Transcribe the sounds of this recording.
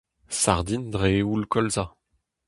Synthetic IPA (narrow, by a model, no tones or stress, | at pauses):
saʁd̪indʁeulkɔlza